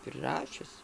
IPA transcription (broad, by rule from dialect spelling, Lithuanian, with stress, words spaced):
pʲrʲɪˈrɑːʃʲʊs